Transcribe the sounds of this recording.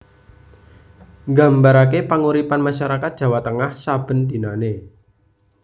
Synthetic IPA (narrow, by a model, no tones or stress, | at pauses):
ŋɡa̤mbaɾakepaŋuɾipanmaʃaɾakat̪̚d̥ʒ̥a̤wat̪əŋahsab̥ə̤nd̪̥i̤nane